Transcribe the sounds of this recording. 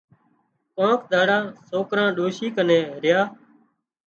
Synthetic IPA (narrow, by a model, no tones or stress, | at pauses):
kõːkd̪ʱaːɽãːsoːkɾãːɗoːʃiːkənẽːɾɪjaː